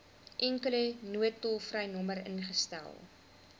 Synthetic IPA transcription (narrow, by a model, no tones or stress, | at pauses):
ʔɛŋkələnuətːɔlˠfrɐjnɔməɾə̰nχəstæ̰lˠ